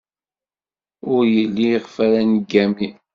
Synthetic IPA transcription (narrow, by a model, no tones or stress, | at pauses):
ʊɾjəlːiʁfæɾænɡːæmi